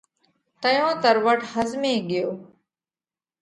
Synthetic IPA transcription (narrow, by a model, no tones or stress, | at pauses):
t̪əjõːt̪əɾʋəʈʰhəzmeːɡɪjoː